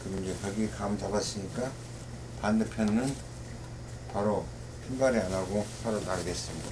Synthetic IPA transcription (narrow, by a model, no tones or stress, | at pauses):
kɯmid͡ʑekaɡikamt͡ɕabas͈ɯɲika | pandepʰjʌnːɯn | paɾo | pʰʌnbaɾianaɡopaɾonaɾɡes͈ɯmɲida